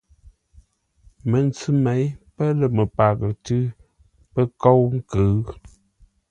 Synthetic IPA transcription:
mə˨nt͡sʉ˦me˨˦jpə˦lə˨mə˨pa˨ɣə˨tɨ˦ | pə˦ko˦wŋ̩˦kə˨˦

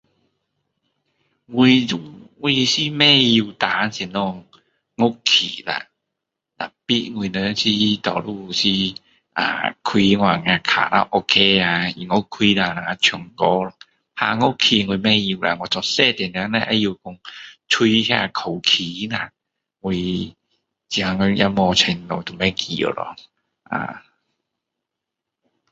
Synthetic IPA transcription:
ŋwi˧u˧˥ŋŋwi˧si˧mɛ˥˧˨ji˧wt̪a˨˦nsi˧˨˧nɔ˧˩ | ŋo˦˥kʰḭ˨˩la̰˧˩ | ta̰˨˩pi˦˥ŋi˧˩nə˧˦si˧˥t̪ɔ̰˨˩lu˧˩˧si˧ | ʔa̰ː˨kʰwi˧ŋwaː˧˩ŋã˧˩kʰa̰˨˩la̰˧ʔo˧kʰe˧˦a˧i˨˩ŋo˦˥kʰːwi˧la˧˩la˨˩a˧˩t͡ɕʰy˨˩ŋkɔ˧˦la˧ | ha˧ŋɔ˧˩kʰi˧ŋu˧mɛ˥˩ji˧wla̰˧ŋɔ˧t͡sɔ˧˩sɛ˥˩t̪i˨˩˨na˧˦na˧˦ʔa̰˧˥ji˧kʊ˧ŋt͡ʃʰu˧hɛ˧˨kʰo˨˩wkʰiː˨˦na˨˩ | ŋu˧ | t͡ɕi˧˩a˧˩ŋɔ˧˩ja˧˥mɔ˧t͡ɕʰe˧nno˨˩t̪ʊ˨˩mɛ˦˥˩kʰi˨˧˩o̰˨˧˩lɔ̰˧ | ʔa̰˨˩

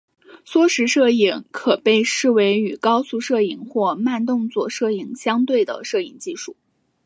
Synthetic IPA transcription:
swɔ˥ʂɻ̩˧˥ʂɤ˥˩i˧˩˥ŋkʰɤ˨˩pe˥˧ɪʂɻ̩˥˩we˧˥ɪy˨˩kɑ˥ʊsu˥˧ʂɤ˥˩i˨˩ŋxwɔ˥˧ma˥˧nt̪ʊ˥˧ŋt͡swɔ˥˧ʂɤ˥˩i˧˨˩ŋɕjɑ˥ŋt̪we˥˩ɪd̪ə̰˩ʂɤ˥˩i˨˩ŋt͡ɕi˥˧ʂu˥˩

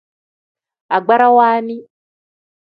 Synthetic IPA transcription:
a˨ɡ͡ba˦ɾa˦waː˦ni˦

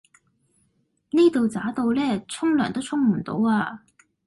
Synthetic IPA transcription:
niː˥t̪o˨wt͡saː˨˥t̪o˧wlɛː˥˩t͡sʰʊ˥ŋlœː˨˩ŋt̪o˥wt͡sʰʊ˥ŋm̩˨˩t̪o̰˨˥waː˧

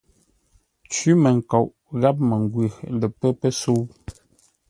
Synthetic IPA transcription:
t͡ʃi˦mə˨ŋ̩˨ka˨ʔ | ɣa˦p̚mə˨ŋ˨ɡwə˨lə˨pə˦pə˦so˦w

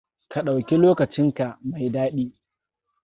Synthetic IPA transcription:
ka˨ɗa˨wkʲi˦loː˦kɐ˨t͡ʃɪ˦ŋka˨ʔma˨jdaː˦ɗiː˦

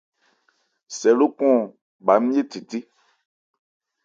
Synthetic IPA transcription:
sɛ˨lo˦kɔ̃˦˨ | ba˨˦m˦je˦ti˨ti˦

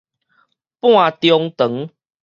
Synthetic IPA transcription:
pw̃ã˥˨t̪jɔ˧ŋt̪ə˨˩˦ŋ

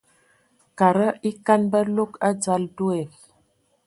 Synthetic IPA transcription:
ka˨ɾə˦i˦ka˦nbə˦lo˦ka˦d͡za˦ldu˦ɛ˨l

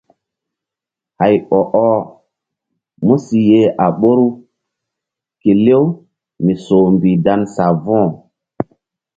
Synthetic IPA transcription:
ha˨jɓɔ˨ʔɔ˦ | mu˦si˨je˦ʔa˨ɓo˦ɾu˦ | ke˨le˦w | mi˨so˨mbi˨da˦nsa˨vɔ̃˦˨

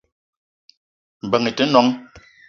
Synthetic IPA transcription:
m̩˨bə˨ŋə˨tə˨˦nɔ˨˦ŋ

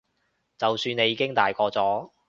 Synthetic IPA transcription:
t͡sɐ˨wsyː˧ne˨˧jːiː˧kɪ˥ŋt̪aː˨jkɔː˧t͡sɔː˨˥

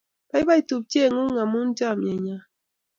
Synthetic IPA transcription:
pa˦jba˦jt̪u˨p̚t͡ʃe˦˨ŋu˦ŋa˨mu˦nd͡ʒa˦˨me˨ɲa˦

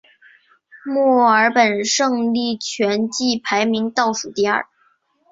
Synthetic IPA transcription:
mɔ˥˩ə˞˧˥pə˨˩nʂɤ˥˧ŋli˥˩t͡ɕʰɥɛ˧˥nt͡ɕi˥˩pʰa˧˥ɪmi˧˥ŋt̪ɑ˥˩ʊʂu˨˩t̪i˥˧ɐ̰˞˥˩

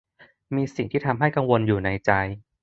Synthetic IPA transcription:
miː˧si˨˩ŋt̪ʰiː˥˩t̪ʰa˧mɦa˥˩jka˧ŋwo˧njuː˨˩na˧jt͡ɕa˧j

